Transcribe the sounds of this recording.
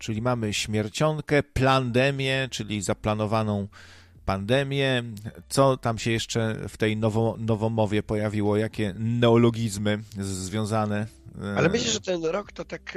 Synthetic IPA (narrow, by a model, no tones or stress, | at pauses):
t͡ʂɘlʲimamɘɕmʲjɛɾt͡ɕɔŋkɛpland̪ɛmʲjɛt͡ʂɘlʲizaplanɔvanɔ̃w̃ | pand̪ɛmʲjɛt̪sɔt̪amɕɛjɛʂt͡ʂɛft̪ɛjnɔvɔnɔvɔmɔvʲjɛpɔjavʲiwɔjakʲɛnɛɔlɔɡʲizmɘzvʲjɔ̃w̃zanɛalɛmɘɕlɛʐɛt̪ɛnɾɔkt̪ɔt̪ak